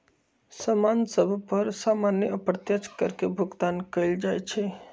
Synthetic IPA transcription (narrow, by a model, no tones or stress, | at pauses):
səmansəbʱpəɾsamanjəəpɾət̪jət͡ʃʰkəɾkebʱuɡt̪ankəɪld͡ʒajt͡ʃʰɛ